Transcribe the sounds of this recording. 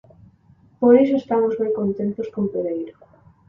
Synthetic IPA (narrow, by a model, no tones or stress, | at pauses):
poɾisoest̪amozβejkont̪ent̪oskompeðejɾo